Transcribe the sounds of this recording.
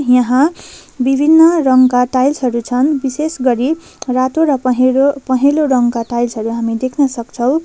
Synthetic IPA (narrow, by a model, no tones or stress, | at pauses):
jʌɦãbibʱinːʌrʌŋkaʈajlsɦʌɾut͡sʰʌnbisesɡʌɾi | rat̪oɾʌɦopʌɦeloɾʌŋkaʈajlsʌɾuɦamid̪ekʰnʌsʌkt͡sʰʌw̃